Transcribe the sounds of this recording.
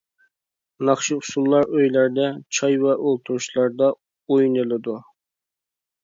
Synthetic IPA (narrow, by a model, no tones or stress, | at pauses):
nɑχʃiusulˠːɑɾøjlæɾd̪ɛt͡ʃʰɑjvɛʔolˠt̪ʰuɾuʃlˠɑɾd̪ɑ | ojnɨlˠɨd̪u